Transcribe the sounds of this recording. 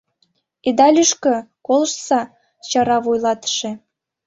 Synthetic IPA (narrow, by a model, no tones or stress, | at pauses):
ed̪ɑlʲyʃkɤ̆kolˠəʃsɑ | t͡ɕɑɾɑβojlˠɑt̪ə̥ʃĕ